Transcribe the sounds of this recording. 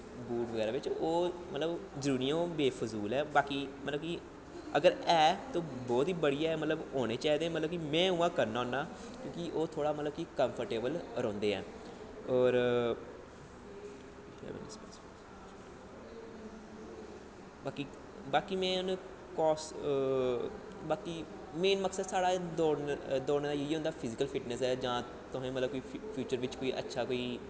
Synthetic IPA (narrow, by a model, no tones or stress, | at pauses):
buːʈʋəɡɛːɾãːʋɪt͡ʃoːmət̪ləbzəɾuːɾijãːobeːpʰəsuːlɛːbaːkiːmət̪ləbki | əɡəɾɛːt̪oːbɔːt̪iːbəɽijaːɛːmət̪ləboːɽ̃eːt͡ʃaːɦiːd̪ẽːmət̪ləbkimɛ̃ːʊːãːkəɾnaːoːnːaː | kjõːkɪʔoːt̪ʰoːɽaːmət̪ləb̚kikəmpʰəɾʈeːbəlɾɔ̃ːnd̪eːɛ̰̃ː | ɔːɾ | s | baːkiː | baːkiːmɛ̃ːn | kɔːs | baːkiː | meːnməksəd̪saːɽaːd̪oːd̪oːɽd̪aːjəiːɦõːnd̪aːpʰɪzɪkəlpʰɪʈnəsɛːd͡ʒãː | t̪ʊɦẽːmət̪ləb̚koːiːpʰjuːt͡ʃəɾʋɪt͡ʃkoːiːʔə̰tːʃʰaːkoːiː